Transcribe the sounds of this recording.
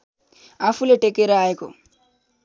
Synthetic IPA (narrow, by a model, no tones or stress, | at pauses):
afuleʈekeɾaeko̰